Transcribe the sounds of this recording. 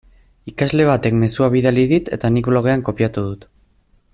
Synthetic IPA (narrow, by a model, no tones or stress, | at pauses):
ikazle̞β̞at̪e̞kme̞suaβ̞iðaliðit̪e̞t̪anikβlo̞ɣ̞e̞aŋko̞piat̪uð̞ut̪